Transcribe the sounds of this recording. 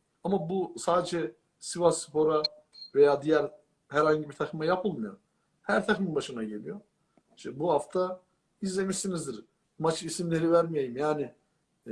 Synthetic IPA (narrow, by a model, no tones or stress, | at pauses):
amabusaːd̪ed͡ʒɛ | sivasɯ̥pʰo̞ɾa | ve̞jaːd̪ijæɾ | hæɾhaɲɟibiɾt̪ʰakɯmajapʰɯlˠmujoɾ | hæɾt̪ʰaxminbaʃɯnaɟe̞lʲijo̞ɾ | iʃt̪ɛbuhaft̪ʰa | izlʲe̞miʃsinizd̪iɾ | mat͡ʃʰisimlʲe̞ɾivæɾmijejimjaːni